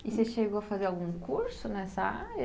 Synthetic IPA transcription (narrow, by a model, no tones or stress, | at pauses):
iseʃeɣoɐfazeɾawɡũkuɾsʊnɛsɐa̰ɾɐ